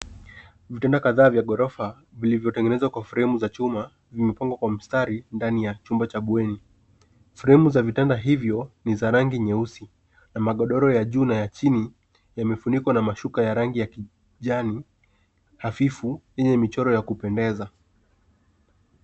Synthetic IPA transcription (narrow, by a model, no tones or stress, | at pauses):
vitɛndakaðaːvjaɠɔɾɔfa | vilivjɔtɛŋɡɛnɛzwakwafuɾɛɛmuzat͡ʃuma | vimɛpaŋɡwakwam̩staɾindanijat͡ʃumbat͡ʃaɓuɛni | fuɾɛɛmuzavitɛndaɦivjɔnizaɾaŋɡiɲɛusi | namaɠɔɗɔɾɔjaʄuːnajat͡ʃini | jamɛfunikwanamaʃukajaɾaŋɡijaki | ʄani | hafifujɛɲɛmit͡ʃɔɾɔjakupɛndɛza